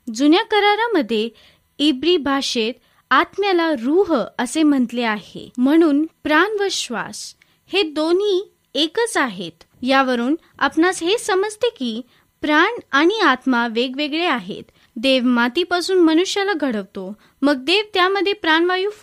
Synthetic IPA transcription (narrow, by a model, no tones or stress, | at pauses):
d͡zunjakəɾaɾaməd̪ʱːje | ibɾiːbʱaʂet̪ | at̪mjalaɾuɦəsem̤əɳt̪leaɦḛm̤əɽ̃uːnpɾanʋəɕʋa̰s | hed̪on̤iː | ekət͡saɦet̪ | jaʋəɾuːn | a̰pnasɦesəməd͡zt̪ekiː | pɾaɳaɽ̃iat̪maʋeɡʋeɡɭeaɦḛt̪ | d̪eʋmat̪ipasuːnmənuɕjalaɡʱəɽəʋt̪o | məɡ̚d̪eʋt̪jaməd̪ʱːjepɾaɳʋajuː